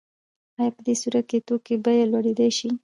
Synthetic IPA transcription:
ajapəd̪esuɾat̪̚ket̪okebajelwaɽed̪ajʃi

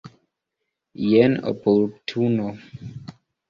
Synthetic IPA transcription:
jɛno̰poɾtʰuno

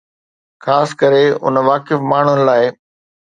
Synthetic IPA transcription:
xaːskɐɾeʊ̰nʋaːkɪfmaːɳ̤ʊnɪ̆laːɪ

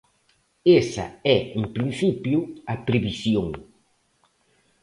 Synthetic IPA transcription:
esɐ̰ɛeŋpɾinθipjʊɐpɾeβisjoŋ

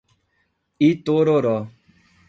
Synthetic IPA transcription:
itoɾoɾɔ

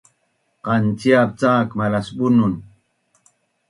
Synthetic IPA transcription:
qant͡siap̚t͡saːkmalasɓunun

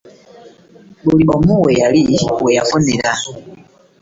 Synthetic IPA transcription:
boliɓɔmuwɛjaliwɛjafɔnɛla

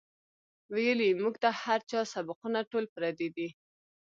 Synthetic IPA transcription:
wejəlimuɡt̪ahaɾt͡ʃɑsabɪqunaʈolpɾɑd̪id̪i

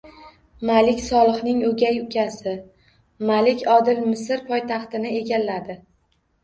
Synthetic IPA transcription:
malɪkʲsɒlˠɨχnɪŋɵɡʲajʊkʲʰasɪ | malɪkʲɒd̪ɪlmɪsɪɾpʰɒjt̪ʰɑχt̪ɪnɪe̞ɡʲalːad̪ɪ

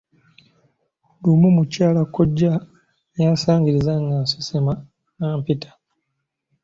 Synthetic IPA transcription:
lumumucaːlakoɟːa | jaːsaːɲɡiɾizaŋɡansi̥sema | naːmpitʰḁ

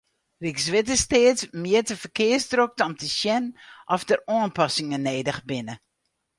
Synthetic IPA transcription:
riksʋɪt̬əsteːətmɪətəfərkɪəsdɾok̚tɔmtʰəsjɛnʔɔfdəroənpɑsɪŋəneːdəxbɪnə

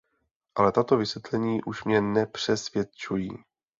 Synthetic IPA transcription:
ʔalɛt̪at̪o̞vɪsjɛt̪lɛɲiːʔuʃmɲɛnɛpr̝̥ɛsvjɛt̪t͡ʃujiː

